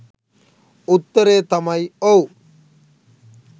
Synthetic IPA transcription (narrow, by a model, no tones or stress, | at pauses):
ut̪ːɐɾeːt̪ɐmɐjow